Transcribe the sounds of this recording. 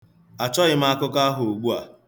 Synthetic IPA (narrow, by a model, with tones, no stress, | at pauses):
a˨t͡ʃɔ˦ɣɪ˨m̩˦a˦kʊ˦ka˦ɦʊ˨o˨ɡ͡bu˦a̰˨